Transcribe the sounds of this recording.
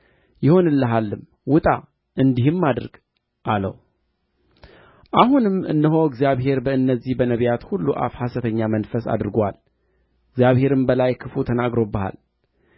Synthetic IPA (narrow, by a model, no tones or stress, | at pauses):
jɪho̞nɨlːəɦalːɨm | wʊt̪ʼa | ʔɨnd̪ihɨmːad̪ɨɾɡ | ʔalə̰w | ʔahunɨmɨ̰nːəɦo̞ɨɡzijaβɦe̞ɾbəɨnːəzːihbənəβjat̪hulːuʔa̰fhasət̪ʰəɲːamənfəsa̰d̪ɾɨɡal | ɪɡzjaβhe̞ɾɨmbəlajkʰɨfut̪ʰənaɡɾo̞bəha̰l